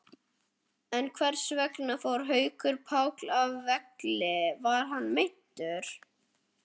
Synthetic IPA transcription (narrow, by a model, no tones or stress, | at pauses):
ɛnkʰvɛɾ̥svɛknafawɾɦœːɥkʏɾpʰaːwklavːɛklɪvaɾ̥ɦanːmejn̥t̪ʏɾ̥